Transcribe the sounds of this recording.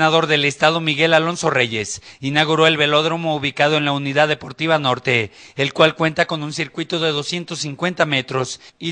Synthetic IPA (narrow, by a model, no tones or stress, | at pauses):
naðo̞ɾðe̞le̞st̪að̞o̞miɣe̞lalo̞nso̞re̞ʝe̞sinaɣ̞uɾo̞e̞lβe̞lo̞ðɾo̞mo̞uβikað̞o̞e̞nlauniðaððːe̞po̞ɾt̪iβ̞ano̞ɾt̪e̞ːlkwalkwe̞nt̪ako̞nunsiɾkwit̪oðe̞ðo̞sje̞nt̪o̞sːiŋkwe̞nt̪amet̪ɾo̞si